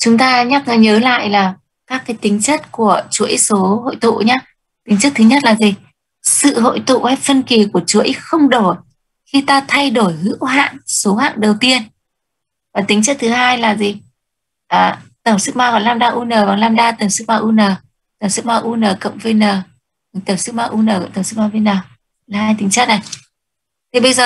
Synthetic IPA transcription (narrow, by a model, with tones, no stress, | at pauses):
t͡ɕʊ˨˦ŋ͡mt̪aː˧ɲa˦˥k̚ːɲəː˨˦la̰ː˧˨jlaː˨˩ | kaː˦˥kːaː˨˦jt̪ï˨˦ŋ̟t͡ɕə˦˥t̚ku˧˩ət͡ɕu˨˦ə˦so˨˦ɦo̰˧˨jt̪ṵ˧˨ɲaː˨˦ | t̪ï˨˦ŋ̟t͡ɕə˦˥t̚t̪ʰɨ˨˦ɲə˦˥t̚laː˨˩zi˨˩ | sɨ̰˧˨ɦo̰˧˨jt̪ṵ˧˨fɛ˦˥p̚fə˧nki˨˩ku˧˩ət͡ɕu˨˦xə˧wŋ͡mɗo˧˩ | xi˧t̪aː˧t̪ʰa˧jɗo˧˩jhɨ̰˧˥wɦa̰ː˧˨nso˨˦ha̰ː˧˨nɗə˨˩wt̪i˧ən | vaː˨˩t̪ï˨˦ŋ̟t͡ɕɨ˦˥k̚t̪ʰɨ˨˦haː˧jlaː˨˩zi˨˩ | ʔəː˨˩t̪ə˧˩wŋ͡msɨ˦˥k̚maː˧ɣɔ̰˧˨jlaː˧mɗaː˧ʔu˧nəː˨˩vaː˨˩ŋlaː˧mɗaː˧t̪ə˨˩ŋ͡msɨ˦˥k̚maː˧ʔu˧nəː˨˩ | t̪ə˨˩ŋ͡msɨ˦˥k̚maː˧ʔu˧nəː˨˩kə̰˧˨wŋ͡mve˧nəː˨˩˨ | t̪ə˨˧˩msɨ˦˥k̚maː˧ʔu˧nəː˨˩kt̪ə˧˩ŋ͡msɨ˦˥maː˧ve˧jnəː˨˩˧ | laː˨˩haː˧jt̪ï̟˨˦t͡ɕə˦˥t̚na˨˩j | t̪ʰi˨˩ɓə˧jzəː˨˩